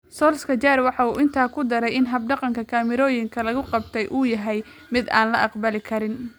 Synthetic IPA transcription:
sɔːlskʰɐt͡ʃaːɾwɑħɑuːʔɪnt̪ʰaːkʰʊd̪ɐɾɛjɪnɦɐb̚ɖɑqɑŋkʰɐkʰaːmɪɾɔːjɪŋkʰɐlɐɣʊqɑb̚t̪ʰɛjʔuːjɐɦɛj | mɪd̪a̰ːnlɐʔɑqbɐlɪkʰɐɾɪn

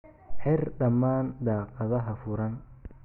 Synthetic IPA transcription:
ħɛrɖɐmːaːnd̪aːqʼɑðɐɦɐfʊɾɐn

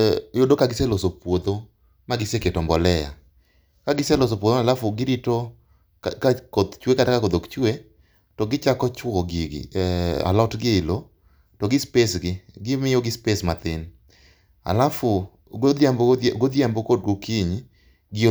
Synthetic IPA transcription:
jodokaɡɪsɛlosopwod̪o | maɡɪseketɔmbɔlɛja̰ | kaɡɪsɛlosopwod̪oalafʊɡɪɾito | kakod̪t͡ʃwekatakakod̪okt͡ʃwe | tɔɡɪt͡ʃakɔt͡ʃwɔɡiɡ̰a̰lɔtɡɪɪlo | tɔɡɪspesɡɪɡɪmɪjoɡɪspesmat̪ɪn | a̰lafʊ | oaɡod̪ambokod̚ɡokiɲ | ɡɪo

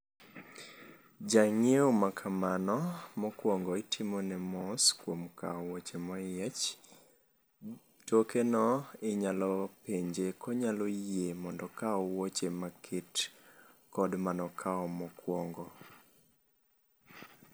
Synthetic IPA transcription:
d͡ʒaŋeomakʰamanɔmɔkwɔŋɡɔɪtʰimɔnɛmɔskwomkaɔwot͡ʃemɔjɛt͡ʃ | tokenɔɪɲalɔpeɲd͡ʒekɔɲalɔjjemɔndɔkaɔwot͡ʃemakʰɪt | kɔdmanɔkʰaɔmɔkwɔŋɡɔ

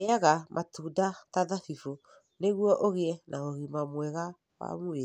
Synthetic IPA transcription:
eaɣamʔatuːdataðafifu | neɣuɔʔoɣeɛnaoɣimamwɛɣa | wa̰mue

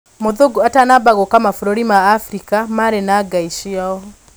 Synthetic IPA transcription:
moðoɡuatanabaɣokamafuɾoɾimaːfɾikamaɾenaɡaiʃia

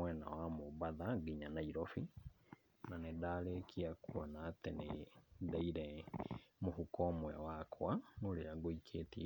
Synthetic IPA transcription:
wɛna̰wamoβaðaɡiɲanaiɾofi | nanedaːlekʰiakuɔnaːtenedaiɾɛ | mohukɔːmwɛwakʰwaŋoleaɡoikʰeti

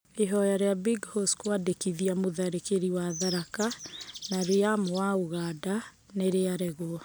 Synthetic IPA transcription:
eɦɔjaɾeabiɡhoskwadekiðiamoðaɾekeɾiwaðaɾakanaɾeamoaoɣada | neɾeaɾɛɣo

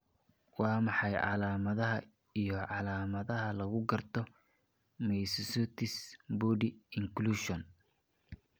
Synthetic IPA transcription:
wɑːmɑħɑjʕɑ̰laːmɐðɐɦɐ | ijɞʕɑlaːmɐðɐɦɐlɐɣʊɡɐrt̪ʰɔ | mɛjsɪsut̪ʰɪsbɔːdiɪŋkluʃɔn

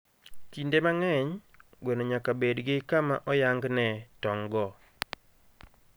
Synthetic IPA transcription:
kindemaŋɛɲɡwenoɲakabedɡɪkamaʔɔjaŋɡnɛtɔŋɡɔ

